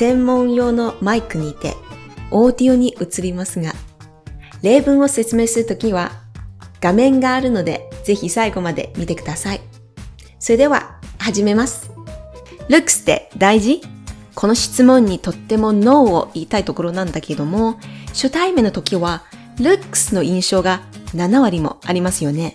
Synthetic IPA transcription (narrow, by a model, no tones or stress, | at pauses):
sẽ̞mːõ̞ɰ̃jo̞ːno̞maikɯ̟ɲ̟iːt̪e̞̰ | o̞ːd̪ʲiɯɲ̟iʔɯ̟t͡sɨɾʲimasɨɡa | ɾe̞ːbɯ̟̃ɰ̃o̞se̞t͡sɨme̞ːsɨɾɯ̟t̪o̞kʲiβ̞a | ɡ̥amẽ̞ŋɡaːɾɯ̟no̞d̪e̞z̥e̞çisaiɡo̞mad̪e̞̰mʲit̪e̞kɯ̟d̪asai | so̞ɾe̞d̪e̞βa̰haʑime̞masɨ̥ | ɾɯ̟kːɯ̥sɨ̥t̪ːe̞̰d̪aiʑi | kʰo̞no̞ɕi̥t͡sɨmõ̞ɲ̟ːit̪o̞t̪ːe̞mo̞no̞ːoiːt̪ait̪o̞ko̞ɾo̞nãnd̪ake̞ed̪o̞mo̞ɕɨt̪aime̞no̞t̪o̞kʲiβa | ɾɯ̟kːɯ̥sɨno̞ĩɰ̃ɕo̞ːɡananaβaɾʲimo̞̰aɾʲimasɨjo̞ne̞